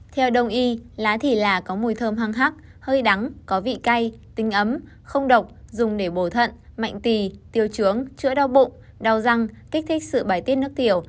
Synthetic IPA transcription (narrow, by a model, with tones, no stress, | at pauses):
t̪ʰɛ˧wɗə˧˩wŋ͡mʔi˧laː˨˦t̪ʰi˧˩laː˨˩kɔ˨˦mu˧˩əjt̪ʰəː˧mɦaː˧ŋɦaː˦˥k̚ | həː˧jɗa˨˦ŋkɔ˨˦vḭ˧˨ka˧jt̪ï˨˦ŋ̟ʔə˨˦m | xə˧wŋ͡mɗə˨˩wk͡p̚zʊ˨˩ŋ͡mɗe˧˩ɓo˧˩t̪ʰə̰˧˨nma̰˧˨jŋ̟t̪i˨˩t̪i˨˩əwt͡ɕɨ˨˦əŋt͡ɕɨ̰˧˥əɗa˧wɓʊ̰˧˨ŋ͡m | ɗa˨˩wza˧ŋki˦˥k̟̚t̪ʰï˦˥k̟̚sɨ̰˧˨ɓaː˧˩jt̪i˦˥t̚nɨ˦˥ək̚t̪i˧˩əw